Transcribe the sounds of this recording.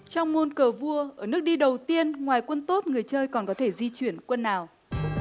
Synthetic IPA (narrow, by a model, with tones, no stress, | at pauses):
t͡ɕɔ˧wŋ͡mmo˧nkəː˨˩vu˧əʔəː˧˩nɨ˦˥ək̚ɗi˧ɗə˨˩wt̪i˧ənŋwaː˨˩jkwə˧nt̪o˦˥t̚ŋɨ˨˩əjt͡ɕəː˧jkɔ˨˩nkɔ˨˦t̪ʰe˧˩zi˧t͡ɕwi˧˩ənkwə˧nːaː˨˩w